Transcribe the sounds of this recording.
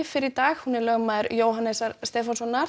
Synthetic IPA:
fɪɾɪɾt̪aːɣhunːɪlœːɣmaːðʏɾjoːwɦanɛsaɾst̪ɛːfansɔnːaɾ̥

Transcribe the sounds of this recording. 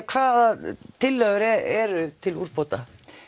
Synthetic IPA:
kʰvaːðat̪ʰɪlːœðʏɾɛɛɾʏt̪ʰɪluɾ̥pot̪a

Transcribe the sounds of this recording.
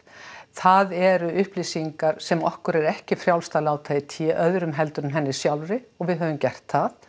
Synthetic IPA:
θaðɛɾʏʏhplisiŋkaɾ̥sɛmɔhkʏɾɛɾɛhcɪfɾjawlst̪alaːwt̪ʰajɪt̪ʰɛʔœðɾʏmɦɛlt̪ɾʏnɦɛnːɪ̥sjawlɾɪɔɣvɪðɦœːvʏmcɛr̥t̪θaθ

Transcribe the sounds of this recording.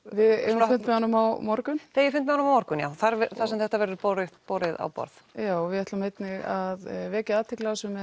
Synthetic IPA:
vɪðɛ̰ɾʏnt̪mɛanːʏmawmɔɾkʏnθejɛɾfʏnt̪mɛanʏmawmɔɾkʏnja̰ːwθaɾɛθḁsɛmθɛht̪avɛɾʏɾpɔɾɪðpɔwɾɪða̰wpɔ̰ɾθjaːwvɪɛht̪lʏmejt̪nɪɣaðvɛːcaaːt̪ʰɪklasʏm

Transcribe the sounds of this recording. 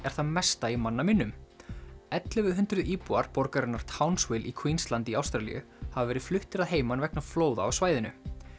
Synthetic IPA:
ɛɾ̥θaðmɛst̪aimanːamɪnːʏm | ɛt̪lɪvɪðɦʏnt̪ɾʏðiːpuaɾpɔɾkaɾɪnaɾ̥t̪ʰawnswɪlʔikʰvinst̪lant̪ɪiawst̪ɾalḭjʏ̰ | havavɛːɾɪðflʏht̪ɪɾaðɦeːjmanvɛknafloːwða̰ːwsvaːjðɪnʏ̰

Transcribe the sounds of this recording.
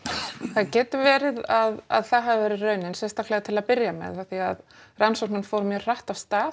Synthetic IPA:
θaðcɛːt̪ʏvɛːɾɪðaða̰ðθaðɦaðɪvɛːɾɪrœːɥnɪnsɛst̪ahklɛɣat̪ʰɪlaðpɪɾjamɛ̰ðaθiað | ransɔwk̚nʏnfɔːɾmjœ̥ːr̥aht̪av̥st̪aːð

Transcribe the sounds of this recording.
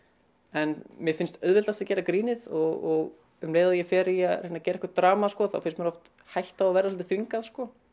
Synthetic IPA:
ɛnmjɛfɪnst̪œðvɪlt̪at̪acɛːɾakɾiːnɪðɔɣɔɣ | ʏmleːjðajɛfɛɾɪjaɾejnacɛːɾaɛhkɾt̪ɾaːmaskɔθa̰wfɪnst̪mɛɾɔft̪ | hajl̥t̪aðavɛːɾaslt̪ɪθviŋkaðskɔ

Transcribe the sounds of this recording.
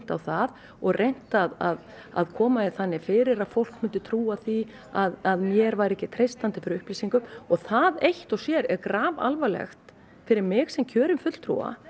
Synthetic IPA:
t̪awθað | ɔɣrʔejn̥t̪aðað | a̰ðkʰɔːmaɪθanːɪfɪːɾɪɾaðfowl̥kmʏnt̪ʏt̪ʰɾuːaθi | aðaðmjɛɾvajɾɛhcɪt̪ʰɾejst̪ant̪ɪfɪɾɪɾʏhplisiŋkʏmɔθaðejht̪ɔsjɛɾɛɾkɾaːva̰lvalɛ̰xt̪ | fɪɾɪɾmɪɣsɛmcʰœːɾʏmfʏt̪l̥t̪ʰɾṵwa̰

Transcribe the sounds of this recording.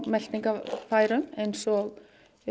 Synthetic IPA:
mɛl̥t̪niŋkafaːjɾʏmejnsɔɣ

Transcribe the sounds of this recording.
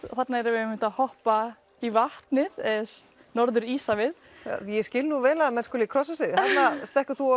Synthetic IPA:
θat̪naɛɾavɪɛmɪnt̪aðhɔhpa | ivaht̪nɪðɛs | nɔɾðʏɾiːsavɪð | jɛscɪlnuvɛːlaðmɛnskɔːlikʰɾɔsasɪðhanːast̪ɛhkʏθu

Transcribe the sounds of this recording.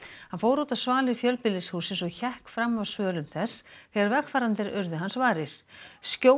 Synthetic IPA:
hanfoːwɾowt̪ḁsvaːlɪɾ̥fjœlpɪlːɪshuːsɪnsɔɣçɛhkfɾamːavsvœːlʏmθɛsθɛɣaɾvɛxfaːɾant̪ɪɾʏɾðʏɦansvaːɾɪɾ̥scoː

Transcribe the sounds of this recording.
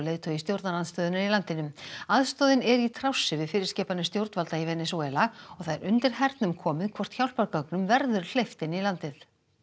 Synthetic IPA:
lejt̪ʰœist̪jowɾt̪nalanst̪œːðɪnaɾilant̪ɪnʏmaðst̪ɔːðɪnɛɾit̪ʰɾawsːɪvɪðfɪːɾɪɾ̥scɛːpanɪst̪jowɾt̪valt̪aivɛnɛsuɛlaɔɣθaðɛɾʔʏnt̪ɪɾ̥ɦɛɾt̪nʏmkʰɔːmɪðkʰvɔr̥t̪çawl̥paɾkœknʏmvɛɾðʏɾl̥ejft̪ɪnilant̪ɪθ

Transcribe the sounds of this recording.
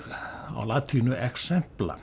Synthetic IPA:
o̰lɑt̪ʰhinyæksemplɑ̰

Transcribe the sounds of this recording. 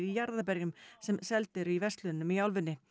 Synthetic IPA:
ijaɾðapɛɾjʏmsɛmsɛlt̪ɪɾivɛst̪lʏnːʏmiawlvʏnːɪ

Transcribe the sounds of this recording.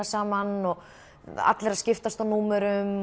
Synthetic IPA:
asaːmanɔ | a̰t̪lɛɾaðscɪft̪ast̪anuːmɛɾʏm

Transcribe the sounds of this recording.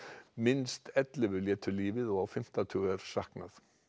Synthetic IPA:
mɪnst̪ɛt̪lɪvʏljɛːt̪ʏliːvɪðɔɣawfɪm̥t̪at̪ʰʏːɣɛɾ̥sahknaθ

